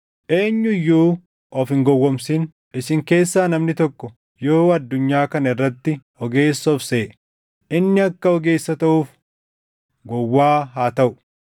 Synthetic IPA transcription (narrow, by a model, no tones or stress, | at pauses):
ʔe̞ːɲːʊɪjːuː | ʔɔfɪŋɡɔwːɔmsɪn | ɪsɪŋke̞ːsːaːnɐmnɪt̪ɔkːɔ | joːɐd̪ːʊɲːaːkɐnɐɪrːɐt̪ːɪ | ɔɡe̞ːsːɔfseː | ʔɪnːɪɐkːɐɔɡe̞ːsːɐt̪ɐʔuːf | ɡɔwːaːɦaːt̪ɐʔʊ̥